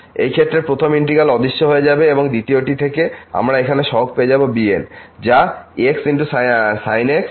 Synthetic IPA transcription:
ḛjkʰet̪ːɾepɾot̪ʰomiɳʈiɡalɔd̪iʃːoɦoed͡ʑabeeboŋd̪it̪ioʈit̪ʰekea̰mɾaekʰaneʃɔɦok̚peed͡ʑabobiend͡ʑaeksinʈussajneks

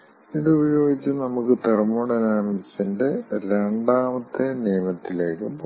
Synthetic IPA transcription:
iðɨubɐjo̞ːɡit͡ɕːɨnɐmukːɨt̪erɐmːoːɽɐnaːnɐsinde̞ɾe̞ɳɖaːmɐt̪ːeniːmɐt̪ːile̞ːkːump

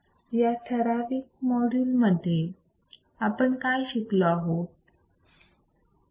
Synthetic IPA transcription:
jaʈʰəɾafiːk̚mɔɽilməd̪ʱːje | apəɳkajɕiklɔaɦo

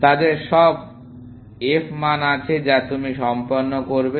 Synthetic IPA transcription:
t̪ad̪eɾʃɔb̚ | efmanat͡ɕʰed͡ʑat̪umiʃɔmpoɾnːokoɾbe

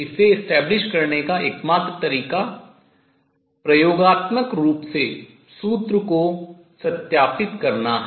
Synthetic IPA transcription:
ɪseɪsʈɛːblɪʃkɐɾnekaʔeːkmaːt̪ɾət̪ɐɾiːka | pɾɐjoːɡaːt̪məkɾuːpse | suːt̪ɾəko | sɐt̪jaːpɪt̪kɐɾnaɦ

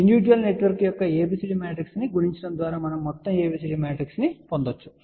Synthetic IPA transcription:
iɳɖiʋid͡ʒʋɐlne̞ʈʋɐɾkjɔkːɐeːbisiʈimaːʈɾiksniɡuɽiɲt͡ʃɐɽɐnd̪ʋaːɾaːmɐnɐmːɔt̪ːɐmeːbis̬iʈimaːʈɾiksnipond̪ot͡ʃːu̥

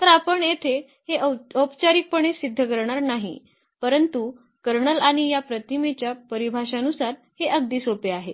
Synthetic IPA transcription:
t̪əɾapəɳjet̪ʰe | heəpt͡ɕaɾiːk̚pəɳ̃esid̪ʱːəkəɾɳaɾnaɦḭ | pəɾənt̪u | kəɾɳəlaɽ̃ijapɾət̪ʰimet͡ɕjapəɾibʱaɕanusaɾ | heʔəɡ̚d̪iːsopeaɦe

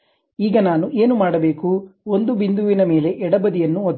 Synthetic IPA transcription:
iːɡɐnaːnuʔe̞ːnumaːɽɐbe̞ːkuond̪ubind̪uʋinɐme̞ːle̞ʔɛɽɐbɐd̪ijɐnːuod̪

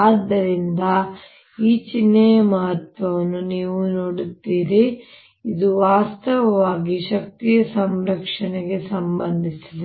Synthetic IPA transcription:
aːd̪ːɐɾind̪ɐ | iːt͡ʃinːɐjɐmɐɦɐt̪ʋɐʋɐnːuniːʋunoːɽut̪ːiːɾi | id̪uʋaːst̪ɐʋɐʋaːɡiʃɐk̚t̪ijɐsɐmɾɐkʂɐɳeɡe̞sɐmbɐnd̪ʱisid̪e

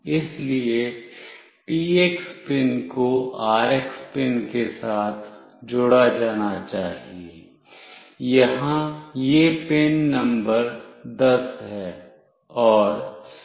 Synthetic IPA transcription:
ɪslie | piːekspɪnkoaːɾekspɪnkesaːt̪ʰ | d͡ʒʊɽad͡ʒaːnat͡ʃaːɦieː | jɐɦãjepenːɐ̃mbəɾd̪ɐsɦɛː | ɔːɾ

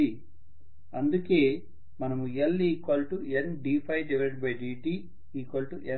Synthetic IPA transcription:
i | ɐnd̪uke̞ː | mɐnɐmueliːkɐlʈuenɖiːpʰɐjɖiʋɛɭʈ̚bɐjɖiːɖiː | iːkɐlʈuʔe

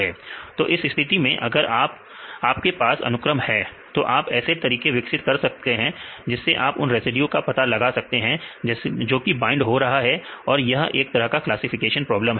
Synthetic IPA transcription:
ɛːt̪oːʔɪsɪst̪ʰɪt̪imẽʔɐ̰ɡəɾaːp̚ | aːp̚kepaːsɐ̰nʊkɾəmhɛ | t̪oʔaːpɛːset̪ɐɾiːkeʋɪksɪt̪kɐɾsɐk̚t̪eɦɛ̃d͡ʒɪsːeʔaːpʊnɾeːsɪɖjũkapɐt̪alɐɡasɐk̚t̪eɦɛ̃d͡ʒoːkibãːɪ̃ɳɖɦoɾɐɦaɦɛɔːɾjɐɦʔeːk̚t̪ɐɾəɦkaklaːsɪfɪkeːʃənpɾɔːblə̃mɦ

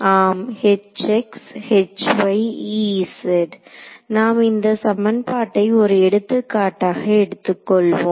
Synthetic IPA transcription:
aːmhɛt͡ʃːɛkshɛt͡ʃʋɐɪiːsɛɖnaːmɪnd̪ɐsɐmɐnpaːʈːɐɪɔɾɯɛɽɯt̪ːɯkːaːʈːaːɣɐɛɽɯt̪ːɯkːɔɭʋõː

